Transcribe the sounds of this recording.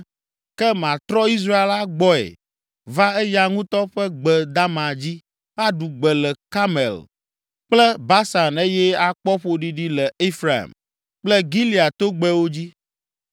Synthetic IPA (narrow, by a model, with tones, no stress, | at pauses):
kɛ˦mã˨t̪ɾɔ˦i˦s̬ɾa˦e˨la˦ɡ͡bɔ˦ɛ̰˨ | va˦ɛ˦ja˦ŋũ˦t̪ɔ˦ɸɛ˦ɡ͡bɛ˨d̪a˦mã˨d͡ʑi˦ | a˦ɖu˨ɡ͡bɛ˨lɛ˨ka˦mɛ̰˨l | k͡plɛ˦ba˦sa˨ne˦jɛ˦a˨k͡pɔ˦ɸo˦ɖi˦ɖi˦lɛ˨e˦fɾa̰˨m | k͡plɛ˦ɡi˦li˨a˨t̪o˦ɡ͡bɛ˦wo˦d͡ʑi˦